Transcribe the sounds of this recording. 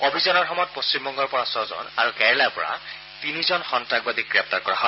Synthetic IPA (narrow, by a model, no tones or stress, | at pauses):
kobʱizɔnɔɹxɔmɔjt̚post͡ɕimbɔŋɡɔɹpɔɹasɔzɔ̰naɹukɛɹlapɔ̰ɹa̰ | tinizɔnxɔntɹaɡ̚badiɡɹɛp̚taɹkɔɹaɦɔ